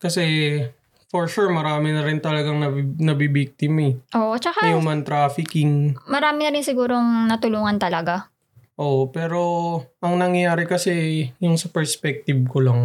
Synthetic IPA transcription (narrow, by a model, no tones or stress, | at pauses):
kɐsɛ | foɹʃuɹmɐɾaːmɪnɐɾɪnt̪ɐlɐɡaŋnɐnɐbibik̚t̪ɪmaɛʔoːʔot͡ʃɐkaɐjʊmɐnt̪ɾaːfɪkɪŋmɐɾaːmɪnɐɾɪnsɪɡuːɾoŋnɐt̪ʊluːŋɐnt̪ɐlɐɡa | ʔoːʔopɛːɾo̞ʔɐŋnɐŋjɐjaːɾɪkɐsɛjʊŋsɐpɛɹspɛk̚t̪ɪb̚kolɐŋ